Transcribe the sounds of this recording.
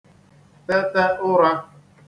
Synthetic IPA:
tɛ˦tɛ˦ʊ˦ɾa˦

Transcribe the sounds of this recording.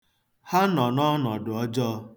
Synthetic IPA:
ha˦nɔ˨nɔ˦nɔ˨dʊ˨ɔ˦d͡ʒɔ˦˧

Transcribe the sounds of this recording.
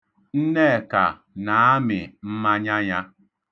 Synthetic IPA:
n̩˦ne˦˨ka̰˨ | na˨a˦mɪ˨m̩˦ma˦ɲa˦ɲa˦

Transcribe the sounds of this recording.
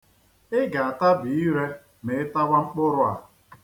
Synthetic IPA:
ɪ˦ɡa˨a˨ta˦bi˨i˦ɾe˦ | me˨ɪ˦ta˦wa˦ŋ͡m̩˦k͡pʊ˦ɾʊ˦a˨

